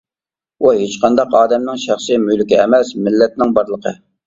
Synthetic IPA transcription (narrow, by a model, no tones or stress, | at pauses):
uɦet͡ʃqɑnd̪ɑqɑːd̪ɛmnɪŋʃæχsɨjmyjlɪkʲiɛmɛsmɪlːɛt̪̚nɪŋbɑɾlˠəqʰə̰